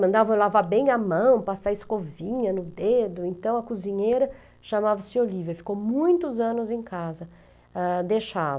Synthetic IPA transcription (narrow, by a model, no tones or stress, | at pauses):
mɐ̃nd̪avɐ̃wlavabẽj̃ɐmɐ̃w̃pasaɪskovĩɲɐnʊd̪ed̪ʊẽnt̪ɐ̃w̃ɐkuzĩɲejɾɐ | ʃamavɐsɪolivɐfi̥kowmũj̃t̪ʊzɐ̃nʊzẽj̃kazɐ | ɛd̪eʃav